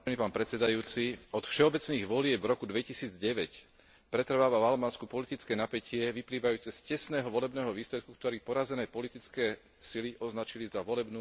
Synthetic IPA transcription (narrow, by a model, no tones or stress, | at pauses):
nipaːnpɾɛt͡sɛd̪ajuːt͡siɔt̪fʃɛɔbɛt͡sniːɣʋɔlɪɛbvɾɔkud̪ʋɛcisiːd͡zɟɛʋɛc | pɾɛt̪ɾ̩ʋaːʋaalbaːnskupɔlit̪it͡skɛːnapɛcɪɛʋipliːʋajuːt͡sɛscɛsnɛːɦɔʋɔlɛbnɛːɦɔʋiːslɛt̪̚kukt̪ɔɾiːpɔɾazɛnɛːpɔlit̪it͡skɛː | siliʔɔznat͡ʃilizaʋɔlɛbnuː